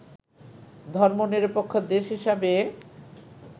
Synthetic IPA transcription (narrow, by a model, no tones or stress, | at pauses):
d̪ʱɔɾmoniɾpokʰːod̪eʃɦiʃabe